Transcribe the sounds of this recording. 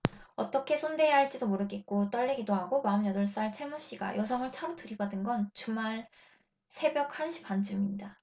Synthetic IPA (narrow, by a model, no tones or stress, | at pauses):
ʌt͈ʌkʰe̞sʰonde̞jaɦaɭt͡ɕ͈idomoɾɯɡet̚k͈ot͈ʌɭːeɡidoɦaɡomaɯmjʌdʌɭs͈aɭt͡ɕʰemuɕ͈iɡa̰jʌsʰʌŋɯɭt͡ɕʰaɾotʰɯɾibadɯnɡʌnt͡ɕuŋmːaɭ | sʰe̞bjʌk̚hanɕʰi̥pand͡ʑʰɯmiɲida